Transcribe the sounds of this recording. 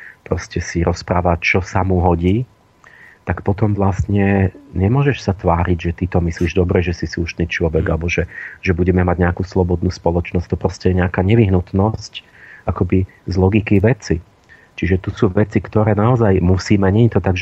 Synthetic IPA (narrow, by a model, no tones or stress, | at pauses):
pɾɔscɛsiɾʔɔspɾaːʋat͡ʃɔsamuɦɔɟiː | t̪akpɔt̪ɔmʋlast̪ɲɛɲɛmʊɔʒɛʃsat̪ʋaːɾiɟʒɛt̪it̪ɔmisliːʒd̪ɔbɾɛʒɛsisuʃniːt͡ʃlɔʋɛɡalɛbɔʒɛʒɛbuɟɛmɛmaɟɲɛakuslɔbɔd̪nuːspɔlɔt͡ʃnɔsct̪ɔpɾɔscɛjɛɲɛakaːɲɛʋiɦnut̪nɔsc | ʔakɔbi | zlɔɡikiʋɛt͡si | t͡ʃiʒɛt̪usuːʋɛt͡sikt̪ɔɾɛːnaɔzajmusiːmɛɲɛɲt̪ɔt̪aɡʒɛ